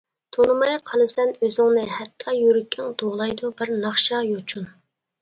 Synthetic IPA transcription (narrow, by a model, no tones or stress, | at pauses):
t̪ʰonɨmɑjqʰɑnɨsd̪ɛnøzɪŋnɪhɛt̪ʰːɑjyɾykʲʰːɪŋd̪oʁlˠɑjd̪ubɪɾnɑχʃɑjot͡ʃʰun